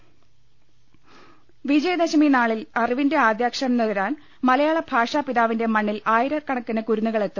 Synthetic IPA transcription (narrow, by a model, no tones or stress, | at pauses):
ʋid͡ʑɐjɐd̪ɐɕɐminaːɭilɐriʋinde̞aːd̪jaːkʂɐɐɐmnuɣɐɾaːn | mɐlɐjaːɭɐbʱaːʂaːpiðaːʋinde̞mɐɳːilaːjiɾɐkɐɳɐkːɐnɐkuɾunːuɣɐɭe̞t̪ːum